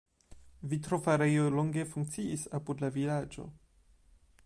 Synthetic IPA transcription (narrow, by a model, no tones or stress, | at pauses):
vitɾo̞faɾejolo̞ŋɡe̞fuŋk̚t͡siisapudlavilad͡ʒo̞̰